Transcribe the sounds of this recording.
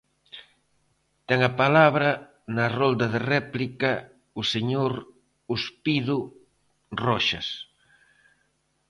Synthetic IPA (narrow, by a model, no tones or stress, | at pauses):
t̪ɛŋɐpalaβɾɐ | nɐrɔld̪ɐðerɛplikɐ | ʊseɲoɾ | uspiðʊ | rɔʃɐ̰s